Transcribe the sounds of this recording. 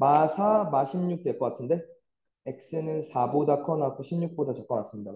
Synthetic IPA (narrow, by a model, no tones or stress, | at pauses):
masʰamaɕʰimɲuk̚t͈ek͈ʌk͈atʰɯnde̞ | ek̚s͈ɯnɯnsʰabodakʰʌnakʰoɕʰimɲuk̚p͈odat͡ɕak͈̚ʌmas͈ɯmɲida